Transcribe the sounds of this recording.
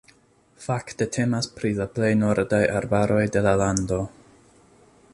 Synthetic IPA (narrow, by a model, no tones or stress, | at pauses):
fakte̞tʰe̞maspɾilaple̞jno̞ɾdajʔaɾbaɾo̞jde̞lalando̞